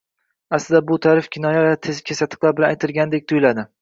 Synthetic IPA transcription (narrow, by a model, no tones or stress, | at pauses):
aslɪd̪abʊt̪ʰaɾɪfkʲʰɪnɒjavat̪ʰezɪkʲʰesat̪ʰɪ̥qlˠaɾbɪlanajt̪ʰɪlɡʲand̪ek̚ʲt̪ʰʊjɪlad̪ɪ